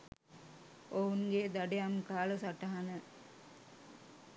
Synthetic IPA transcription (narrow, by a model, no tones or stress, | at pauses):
ʔounɡed̪ɐɖejamkaːlɐsaʈɐɦanə